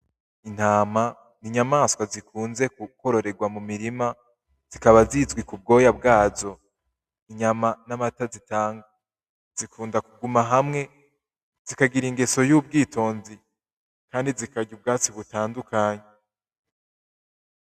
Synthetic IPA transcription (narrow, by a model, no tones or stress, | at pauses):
in̥haːma | niɲamaːskwazikʰuːnze̞kuko̞ɾo̞ɾe̞ɡwamumiɾima | z̥ikaβazizɡwikub̚ɡo̞ːjabɡaːzo̞ | iɲamanamatazitaːŋɡa | z̥ikuːndakuɡumaɦamŋe̞ | z̥ikaɡiɾiŋɡeso̞juːb̚ɡiːtʰo̞ːnzi | kaːndizikaɟub̚ɡaːt͡siβutaːndukaːɲe